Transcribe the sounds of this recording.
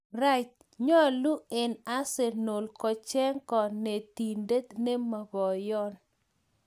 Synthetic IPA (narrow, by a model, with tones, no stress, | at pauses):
ra˦t͡ʃ | ɲɔ˦˨lu˦e˨na˦se˨no˨lkɔ˨t͡ʃɛ˦ŋkɔ˨ne˨t̪i˨nde˦t̪ne˦ma˨bɔ˨jɔ˦n